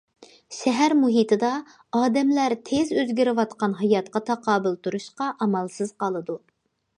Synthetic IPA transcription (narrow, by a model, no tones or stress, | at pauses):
ʃɛɦæɾmuɦit̪ʰɨd̪ɑ | ɑːd̪ɛmlæɾt̪ʰezøzɡʲiɾɪwɑt̪qɑnɦɑjɑt̪̚qɑt̪ʰɑqɑːbɪlˠt̪ʰuɾuʃqɑʔɑmɑlˠsɨz̥qɑlˠɨd̪u